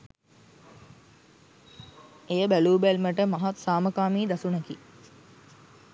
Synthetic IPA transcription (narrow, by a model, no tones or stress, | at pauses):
ejəbæluːbælməʈəmaɦat̪saːməkaːmiːd̪asunəki